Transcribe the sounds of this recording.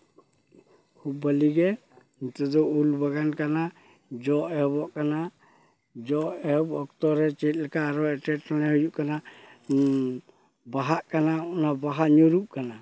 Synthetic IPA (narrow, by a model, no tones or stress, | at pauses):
kʰub̚ːaliɡɛ | t̪ɔd̪ɔʔulbaɡankana | d͡ʒɔʔɛbɔʔkana | d͡ʒɔʔɛbɔk̚t̪ɔɾɛt͡ʃɛt̪̚ˀlɛkaːɾɔɛʈɛʈanɛɦujuʔkana | baɦaʔkananabaɦaɲɔɾuʔ̚kana